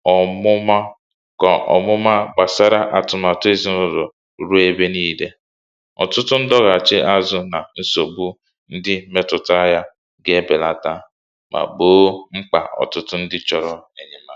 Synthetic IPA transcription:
ɔ˨mʊ˦ma˦ | kɔ˨ɔ̰˨mʊ˦ma˦ɡ͡ba˨sa˦ɾa˦ʔa˨tʊ˨ma˨tʊ˦e˦zi˦nʊ˦ɾo˨˦ | ɾu˦e˦be˦niː˦de˦ | ɔ̰˨tʊ˦tʊ˦n̩˦dɔ˦ɣa˨t͡ʃɪ˦ʔa˦zʊ˦na˨n̩˦so˨bu˦ | n̩˦dɪ˦me˦tʊ˨ta˦ja˦ | ɡe˦be˨la˨ta˦ | mʔa̰˨ɡ͡boː˦ŋ͡m̩˦k͡pa̰˨ʔɔ̰˨tʊ˦tʊ˦n̩˦dɪ˦t͡ʃɔ˨ɾɔ˦e˨ɲe˨ma˦

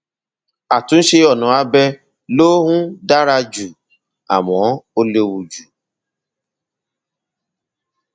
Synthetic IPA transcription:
a˨tũ˨˦n̩˦ʃe˧ɔ˦˨nũ˨˦a˦bɛ˧ | loː˦ɦũ˦da˦ɾa˧d͡ʒu˨ | a̰˨mɔ̃˨˦o˧le˧wu˨d͡ʒu˨

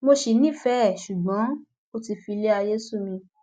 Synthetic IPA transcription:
mo˧ʃi˨nĩ˦˨fɛ˦˨ʃu˨ɡ͡bɔ̃˨˦ | o˧ti˧fi˧le˦a˧je˦su˦˨mĩ˧

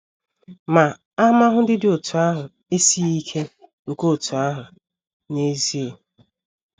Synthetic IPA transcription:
ma˨ | a˦m˦a˦ɦʊ˦dɪ˦dɪ˦o˨tʰʊ˨a˦ɦʊ˨ | e˦si˦i˦kʰe˦ | ŋ̩˨ko˦˨tʰu˨a˦ɦʊ˨ | ne˦zi˦e˨

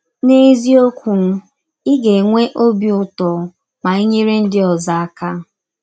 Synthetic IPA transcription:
ne˦zi˦o˦kʷu˨n̩˦ | ɪ˦ɡe˨ŋʷe˦ʔo˦bi˦˨ʊ˦tɔ˨ | ma˨i˦ɲe˦ɾe˦n̩˦dɪ˦ɔ˨za˨a˦˨ka˦

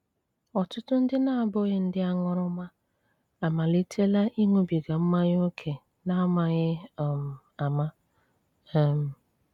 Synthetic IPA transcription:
ɔ˨tʊ˦tʊ˦n̩˦dɪ˦na˦a˨bo˦ɣɪ˦n̩˦dɪ˦a˦ŋɔ˦ɾʊ˦ma˦ | a˨ma˨li˦tʰe˦la˦ʔi˦ŋo˦bi˨ɡa˨m̩˦ma˦ɲ˦o˦kʰe˨ | na˦ma˨ɣɪ˦˨m˨ | a˨ma˦ | m̩˨

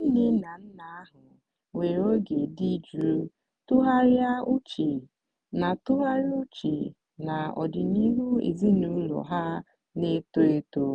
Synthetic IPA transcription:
n̩˦nɪ˦na˨n̩˦na˨a˦ɦʊ˨ | we˨ɾo˦ɡe˨di˦d͡ʒɾu˦ | tʊ˦ɦa˦ɾja˦u˦t͡ʃi˨ | na˨tʊ˦ɦa˦ɾɪ˦u˦t͡ʃḭ˨ | na˨ɔ̰˨dɪ˨ni˦ɦu˦ḛ˨zi˦nu˦lɔ̰˨ɦa˦ | ne˦to˦e˦to˦

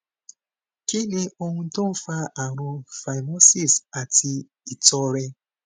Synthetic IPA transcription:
ki˦le˦ʔo˦ŋũ˦to˦fa˦ʔa˨ɾʊ̃˧fa˨jno˦si˦˨sa˨ti˧ | i˨tɔ˦ɾe˦

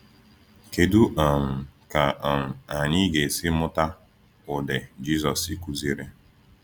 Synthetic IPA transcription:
ke˨du˦ʔa˨m̩˨ka˨ʔa˨m̩˨a˨ɲɪ˦ɡe˨sɪ˦mʊ˦ta˦ | ʊ˨de˨d͡ʒi˦zɔ˨si˨ku˦zi˦ɾe˦

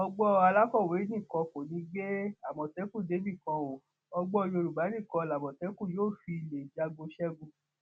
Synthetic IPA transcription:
ɔ˧ɡ͡bɔ˦˧a˧la˦kɔ˦˨we˨˦nĩ˦˨kɔ̃˧ko˨nĩ˨˧˦ɡe˦a˦˨mɔ̃˨tɛ˨˦kũ˦˨de˨˦bi˦˨kɔ̃˧wo˨ | ɔ˧ɡ͡bɔ˦˧jo˧ɾu˨ba˨˦nĩ˦˨kɔ̃˧la˨mɔ̃˨tɛ˨˦kũ˦˨joː˦˨fi˧le˨d͡ʒa˧ɡo˧ʃɛ˦ɡũ˧

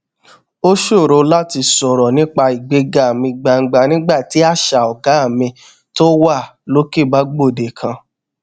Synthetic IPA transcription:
o˦ʃo˦˨ɾo˧la˦ti˧sɔ˨ɾɔ˨nĩ˦k͡pa˧i˨ɡ͡be˧ɡa˨mĩ˧ɡ͡ba˧ŋ̩˧˦ɡ͡ba˧nĩ˦ɡ͡ba˦˨ti˨˦a˦˨ʃa˨ɔ˨ɡa˨˦a˦˨mĩ˧ | to˦wa˦˨lo˦ke˦˨ba˦ɡ͡bo˦˨de˨kʰã˧

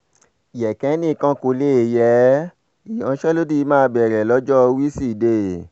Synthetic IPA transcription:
jɛ˨kɛ˨˦nĩ˦˧kã˦ko˧le˦˧˨jɛ˨˦ | i˨ɔ̃˧˦ʃɛ˦lo˦di˦i˧˦mãː˦˧˦bɛ˨ɾɛ˨lɔ˦d͡ʒɔ˦˧wi˦si˦˨de˧˨

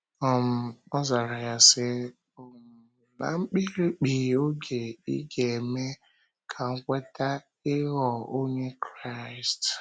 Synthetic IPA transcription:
ɔ˨m̩˨ɔ˦za˨ɾa˨ja˦sɪ˦ | o˨ | na̰˨ŋ͡m̩˦k͡pi˦ɾi˦k͡pi˨o˦ɡe˨ḭ˦ɡe˨e˨me˦ | kʰa˨ŋ̩˦kʷe˦ta˦ | ɪ˦ɣɔ˨o˦ɲe˦kɾa˦˨st

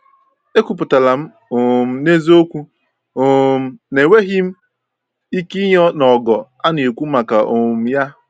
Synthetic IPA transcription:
e˦kʷu˦p̬ʊ˨ta˨la˨m̩˦ | o˨m̩˨ne˦zo˦kʷu˦ | o˨m̩˦ne˨we˦ɦi˦m̩˦ | i˦ki˦ɲɔ˦nɔ˨ɡɔ˨a˦ne˨o˨kʷu˦ma˨ka˨ʔo˨m̩˨ja˦

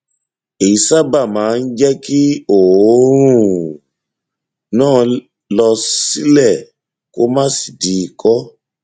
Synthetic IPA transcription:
e˨i˨sa˦ba˦˨mãː˨˦n̩˦d͡ʒɛ˦ki˦o˨˦ɾũ˦˨ | nãː˦˨ | lɔ˧si˦lɛ˦˨ | ko˦mã˦si̥˨di˨˦˧kɔ˦

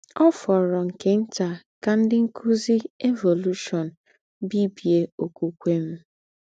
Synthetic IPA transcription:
ɔ˦fɔ˨ɾɔ˨ŋ̩˨ke˦n̩˦t͡ʃa˨ | ka˨n̩˦dɪ˦ŋ̩˦kʰu˦zi˦e˦vo˨lu˦ʃɔ˨n̩˨ | bi˦bi˨e˦o˨ku˦kʷe˦m̩˦

